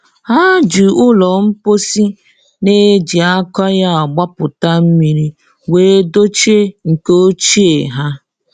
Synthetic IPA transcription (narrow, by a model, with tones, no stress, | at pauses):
ha˦d͡ʒu˨ʊ˦lɔ˨m̩˦po˦si˦ | ne˦d͡ʒi˨a˦kɔ˦ja˦a˨ɡ͡ba˦pʊ˨ta˦m̩˦mi˨ɾi˦ | we˦do˦t͡ʃe˦ŋ̩˨ko˦o˦t͡ʃi˦e˨ɦa˦